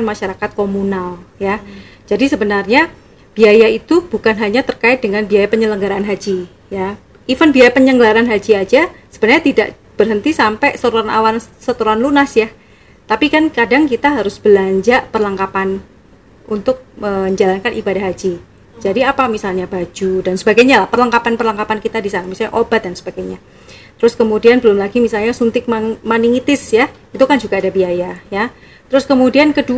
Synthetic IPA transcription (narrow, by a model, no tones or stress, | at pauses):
nmaʃaɾakat̪̚komunalja | d͡ʒadisəbənarɲa | b̥iajait̪ubukanɦaɲat̪ərkaɪt̪̚dəŋanbiajapəɲələŋɡaɾaːnɦad͡ʒi | ja | ifənbiajapəɲəŋɡəlaɾanɦad͡ʒiad͡ʒasəb̥ənarɲat̪idaʔ | b̥ərɦənt̪isampɛsəɾuana̰wansət̪uɾanlunasjah | t̪apikankadaŋkit̪aɦaɾʊsb̥əlaɲd͡ʒaʔpərlaŋkapan | unt̪ʊk̚məɲd͡ʒalankanʔibadahɦad͡ʒi | d͡ʒadiapamisalɲabad͡ʒudansəbaɡajɲalahpərləŋkapanpərlaŋkapankit̪adisanamisalɲa̰ʔobat̪̚dansəbaɡajɲa | t̪əɾʊskəmudianbəlʊmlaɡimisalɲasunt̪ɪk̚mamaniŋit̪ɪsjah | it̪ukand͡ʒuɡaːdabiajaja | t̪əɾʊskəmudiankədu